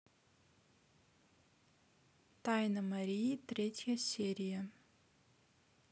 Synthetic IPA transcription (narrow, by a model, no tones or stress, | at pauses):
t̪ajnɐmɐɾʲijit̪ɾʲetʲjɐsʲeɾʲijɐ